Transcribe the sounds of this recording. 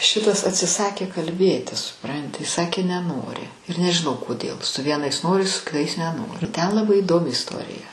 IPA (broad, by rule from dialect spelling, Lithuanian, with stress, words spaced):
ˈʃʲɪtɐs ɐtʲsʲɪˈsɑːkʲeː kɐlʲˈbʲeːtʲɪ sʊˈprɐnʲtʲɪ ˈsɑːkʲeː nʲɛˈnoːrʲɪ ɪr nʲɛʒʲɪˈnɐʊ koːˈdʲeːlˠ sʊ ˈʋʲiɛnɐɪs ˈnoːrʲɪ sʊ kʲɪˈtɐɪs nʲɛˈnoːrʲɪ tʲɛn lˠɐˈbɐɪ iːˈdoːmʲɪ ɪsˈtoːrʲɪjɛ